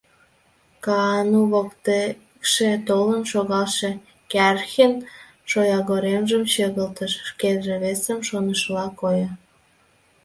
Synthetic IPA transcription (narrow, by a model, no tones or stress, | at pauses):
kɑnuβokt̪e | kʃet̪olənʃoɣɑlʃe | kærxen | ʃojɑɣoɾemʒəmɕøɣəlt̪əʃːkelʒĕβesəmʃonəʃlɑkojə̆